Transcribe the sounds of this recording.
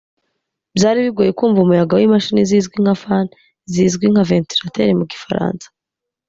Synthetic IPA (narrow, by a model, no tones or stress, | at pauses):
bjaːɾiβiɡojekuːɱvumujaɡawimaʃiːnizizɡwiŋafan | zizɡwiŋ̥haventiɾateɾemuɡifaɾa̰ːnsḁ